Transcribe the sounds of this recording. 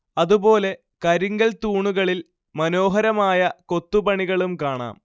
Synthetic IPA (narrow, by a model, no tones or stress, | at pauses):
ɐðubo̞ːle̞ | kɐɾiŋɡɐlt̪uːɳuɣɐɭil | mɐno̞ːɦɐɾɐmaːjɐko̞t̪ːupɐɳiɣɐɭumkaːɳa̰ːm